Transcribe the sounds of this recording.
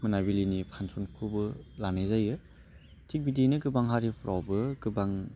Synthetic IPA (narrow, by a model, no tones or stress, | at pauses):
mɯnabilinipʰansunkʰubɯlanezajɯ | tʰik̚bidinɯɡɯbaŋɦaɾipʰɾawbɯɡɯbaŋ